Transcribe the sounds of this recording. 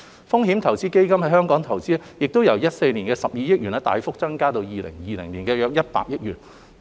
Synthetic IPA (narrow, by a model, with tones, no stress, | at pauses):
fʊ˥ŋɦiː˨˥mt̪ʰɐ˨˩wt͡siː˥ke˥jkɐ˥mhɐ˧˥jhœː˥ŋkɔː˨˥ŋt̪ʰɐ˨˩wt͡siː˥jɪ˨k̚t̪o˥wjɐ˨˩wjɐ˥t̚se˧jni˨˩nkɛː˧sɐ˨p̚jiː˧jɪ˥k̚ɥyː˨˩nɐ˥t̪a̰ː˨˧jfʊ˥k̚t͡sɐ˥ŋkaː˥t̪o˧wjiː˨lɪ̰˨˩ŋjiː˨lɪ˨˩ŋliː˨˩nkɛː˧jœː˧k̚jɐ˥t̚pa̰ː˧k̚jɪ˥k̚jyː˨˩n